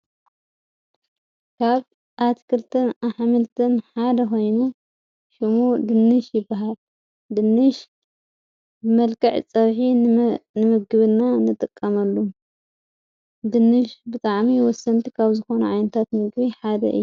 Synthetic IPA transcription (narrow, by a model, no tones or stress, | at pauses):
kʰaβ | ʔat̪kʰɨlt̪ʰɨnaħmɨlt̪ʰɐnħad̪ɐxo̞jnu | ʃɨmud̪ɨnːɨʃjɪbːaɦal | d̪ɨnːɨʃ | bɨmɐlkʰʼɐʕt͡sʼɐβħinɨmɨɡɨβɨnːanɨt̪ʼɨkʼːɐmɐlːu | d̪ɨnːɨʃbɨt̪ʼaʕmiwɔsːɐnt̪ʰi̥kʰaβzɨxo̞nɐ̰ʕajnɐt̪ʰat̪mɨɡβiħad̪ɐ̰ʔɨ̰jːu